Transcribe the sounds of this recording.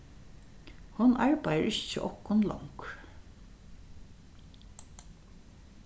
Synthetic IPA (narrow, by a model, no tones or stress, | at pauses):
hʊnɑɹpajəɹɪt͡ʃːə̰ʔɔhkʊnlɔ̰ŋk